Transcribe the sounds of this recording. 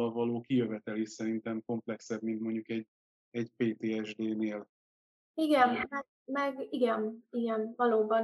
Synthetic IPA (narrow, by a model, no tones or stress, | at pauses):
ɒlvɒloːkijøvɛt̪ɛlisɛɾint̪ɛmko̞mplɛksɛbmint̪mo̞ɲɟukɛɟ | ɛɟpeːt̪eːɛʒd̪eːneːl | iɡɛnmɛɡ | mɛɡiɡɛniɡɛnvɒloːbɒn